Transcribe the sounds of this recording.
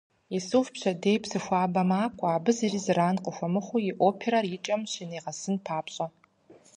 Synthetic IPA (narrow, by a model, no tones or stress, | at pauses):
isuːfpɕɐdeːjpsɨxʷaːbɐmaːkʷʼaːbɨzirizɨraːnqʼəxʷɐmɨχʷʊjiʔoːpʰeɾɐrjɪt͡ʃʼɐmɕineːʁɐsɨnpʰaːpɕʼɐ